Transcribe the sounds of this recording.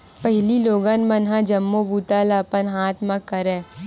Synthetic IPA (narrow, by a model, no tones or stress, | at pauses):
pɐɦɪliloːɡaːnmɐnɦãd͡ʒɐmːobuːt̪aːlapənɦaːt̪ʰmãkɐɾẽː